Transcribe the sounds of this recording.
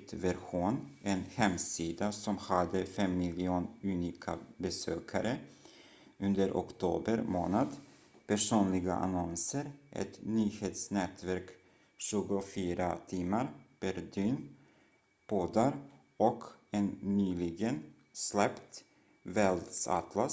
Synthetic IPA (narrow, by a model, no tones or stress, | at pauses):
t̪væɾɧuːnɛnhɛmsiːd̪asɔmhad̪ːəfɛmːɪlɪuːnʉniːkʰa̰bɛsøːkʰaɾə | ɵnd̪əɾʔɔ̰kt̪ʰuːbəɾmo̰ːnad̪ | pʰæʂuːnlɪɡa̰ʔa̰nɔnsəɾʔɛ̰t̪nyːheːt̪snɛːt̪væɾk | ɕʉɡʊfyːɾat̪ʰɪmːaɾb̥ɛɾd̪yːn | b̥oːd̪aɾ | ɔkɛnːyːlɪɡən | slɛpt̪ | vɛld̪sa̰t̪la